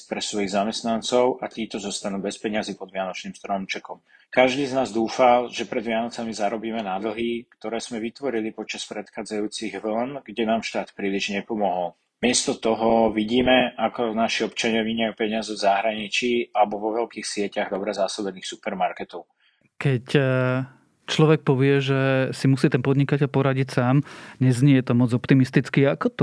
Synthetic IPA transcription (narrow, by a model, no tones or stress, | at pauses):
pɾɛsʋɔjiɣzamɛst̪nant͡sɔʊʔat̪iːt̪ɔzɔst̪anuːbɛspɛɲɪaziːpɔd̪ʋɪanɔt͡ʃniːmst̪ɾɔmt͡ʃɛkɔm | kaʒd̪iːznaːzd̪uːfalʒɛpɾɛd̪ʋɪanɔt͡samizaɾɔbiːmɛnad̪l̩ɦikt̪ɔɾɛːz̥mɛʋit̪ʋɔɾilipɔt͡ʃaspɾɛt̪xaːd͡zajuːt͡siɣʋl̩nɡɟɛnaːmʃt̪aːt̪pɾiːliʒɲɛpɔmɔɦɔl | mɪɛst̪ɔt̪ɔɦɔʋiɟiːmɛakɔnaʃiɔpt͡ʃaɲɪaʋiɲapɛɲɪazɛvzaɦɾaɲit͡ʃiːalɛbɔʋɔʋɛlkiːxsɪɛcaɣd̪ɔbɾɛzasɔbɛniːxsupɛɾmaɾkɛt̪ɔʊ | kɛc | t͡ʃlɔʋɛk̚pɔʋɪɛʒɛsimusiːt̪ɛnpɔd̪ɲikacɛlpɔɾaɟicsaːmɲɛzɲɛjɛt̪ɔmɔd͡zɔpt̪imist̪it͡skiakɔt̪